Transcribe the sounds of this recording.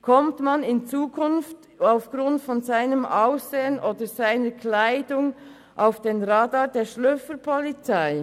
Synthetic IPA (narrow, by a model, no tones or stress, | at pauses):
kʰɔmtmanɪnt͡suːkʰʊnft | aʊfɡ̥ʁʊntfɔnzaɪnəmʔaʊsz̥eːənʔoːdəz̥aɪnəkʰlaɪdʊŋ | ʔaʊfd̥enʁaːdɑːdeːʃlʏfəpʰɔlit͡saɪ